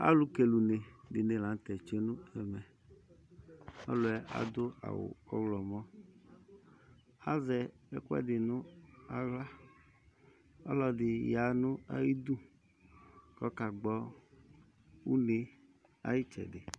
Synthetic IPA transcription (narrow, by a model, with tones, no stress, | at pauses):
a̰˦lu˦ke˨lu˨ne˨dɪ˨ne˨la˨n˦t̪ɛ˨t͡ʃe˦nʊ˦ɛ˨mɛ˨ | ɔ̰˦lʊ˨ɛ˦ʔa̰˨d̪ʊ˦a̰˨wʊ̰˨ɔ˦wlɔ˨mɔ˦ | a˦zɛ˨ɛ˦kʷɛ̰˦dɪ˨nʊ˦a˦ɣla˦ | ɔ˦lɔ˨dɪ˨ja˨nʊ˦a̰˦ji˦d̪u˦ | kɔ˨˦ka˨ɡ͡bɔ˦ | u˦ne˦ | a̰˦ji˦t͡ʃɛ̰˨dɪ˨